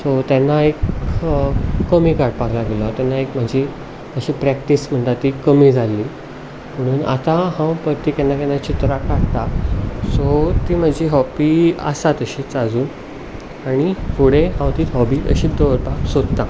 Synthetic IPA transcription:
sot̪ɛnːaek | əmiːkaɾʈ̚paɡlaɡelat̪janːaekm̤əd͡ʑi | əɕipɾɛk̚ʈism̤əɳt̪at̪ːikəmid͡zʱalːiː | m̤əɽ̃uːna̰t̪ãhãwpəɾt̪iːkɛnːakɛnːat͡ɕit̪ɾakaɽt̪asot̪iːm̤əd͡ʑiɦɔbiə̰sat̪əɕit͡sad͡zuːn | aɽ̃ifoɽeɦãwt̪iːt̪ɦɔbiːə̰ɕiːd̪əʋɾpasod̪t̪a

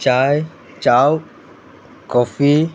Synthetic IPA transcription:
t͡ʃaj | t͡ʃaw | kɔfi

